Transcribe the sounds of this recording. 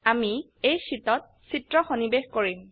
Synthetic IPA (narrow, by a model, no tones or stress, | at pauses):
ami | ejsitɔt̚ | sitɹɔxonibexkoɹim